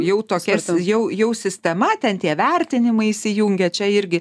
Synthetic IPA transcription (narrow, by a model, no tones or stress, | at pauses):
jɛʊt̪oːkʲɛsjɛʊjɛʊsʲɪsʲt̪ʲɛmɐt̪ʲɛnt̪ʲiɛʋʲɛɾʲt̪ʲɪnʲɪmɐɪisʲɪjuŋʲɡʲɛt͡ʃʲɛɪɾʲɡʲɪ